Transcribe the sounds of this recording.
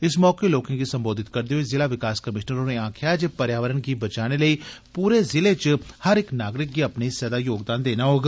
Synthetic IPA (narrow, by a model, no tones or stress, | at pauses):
ɪsmɔːkeloːkẽɡisə̃mboːd̪ʱɪt̪kəɾd̪eɦoizɪlaːʋɪkaːskəmɪʃnəɾõːneãːkʰjaːd͡ʒepəɾjaːʋəɾənkibət͡ʃaːneləiːpuːɾezɪleːt͡ʃhəɾɪknaːɡɾɪk̚ɡiəpnisɛːd̪aːjoːɡd̪aːnd̪eːnaːɦoːɡ